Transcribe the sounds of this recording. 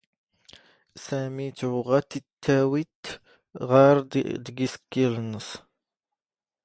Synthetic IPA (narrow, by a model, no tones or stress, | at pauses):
sæmit͡sːʕʊʁat̪ːit̪ʰːæwit̪ | ʁɑɾd̪əɡisə̥kːilnəs